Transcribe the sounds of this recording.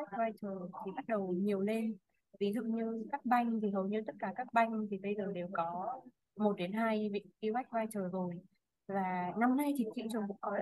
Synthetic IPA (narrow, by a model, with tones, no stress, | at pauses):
a˦˥jk̟̚vaː˧jt͡ɕəː˨˩t̪ʰi˨˩ɓa˦˥t̚ɗə˨˩wɲi˨˩əwle˧n | vi˨˦zṵ˧˨ŋ͡mɲɨ˧kaː˦˥k̚ɓa˧jŋ̟t̪ʰi˨˩ɦə˨˩wɲɨ̰˧˥t̪ə˦˥t̚kaː˧˩kaː˦˥k̚ɓa˧jŋ̟t̪ʰi˨˩ɓə˧jzəː˨˩ɗe˨˩wkɔ˨˦ | mo˨˩t̚ɗe˨˦nɦaː˧jvḭ˧˨ki˧wa˦˥jk̚vaː˧jt͡ɕəː˨˩zo˨˩j | vaː˨˩na˧mna˧jt͡ɕʰï˨˩ŋ̟t͡ɕḭ˧˨nt͡ɕə˨˩ŋ͡mkṵ˧˥ŋ͡mkɔ˨˦